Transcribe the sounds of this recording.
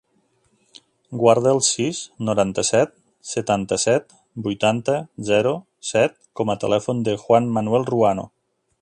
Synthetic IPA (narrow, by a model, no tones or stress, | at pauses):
ɡwaɾð̞əəlˠsisnoɾant̪əsɛt̪ | sət̪ant̪əsɛt̪ | bujt̪ant̪əzɛɾo | sɛt̪̚kɔmət̪ə̰lɛfund̪əxwanmanuɛlˠruano̰